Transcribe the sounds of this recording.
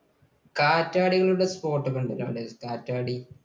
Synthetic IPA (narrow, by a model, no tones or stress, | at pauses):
kaːtːaːɽiɣɐɭuɽespo̞ːrʈːɨkoɳɖɐla̰ːɽɨkaːtːaːɽi